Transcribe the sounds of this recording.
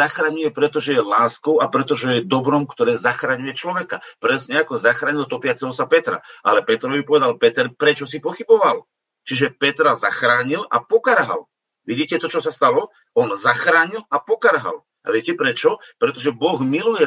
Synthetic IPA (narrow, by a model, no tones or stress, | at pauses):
axɾaɲujɛpɾɛt̪ɔʒɛjɛlaːskɔʊapɾɛt̪ɔʒɛjɛd̪ɔbɾɔmkt̪ɔɾɛːzaxɾaɲujɛt͡ʃlɔʋɛkapɾɛsɲɛakɔzaxɾaːɲilt̪ɔpɪat͡sɛɦɔsapɛt̪ɾa̰ʔa̰lɛpɛt̪ɾɔʋipɔʋɛd̪alpɛt̪ɛɾpɾɛt͡ʃɔsipɔxibɔʋal | t͡ʃiʒɛpɛt̪ɾazaxɾaːɲila̰pɔkaɾɦa̰l | ʋiɟiːcɛt̪ɔt͡ʃɔsast̪alɔ | ɔnzaxɾaːɲilapɔkaɾɦa̰l | a̰ʋɪɛcɛpɾɛt͡ʃɔpɾɛt̪ɔʒɛbɔɣmilujɛ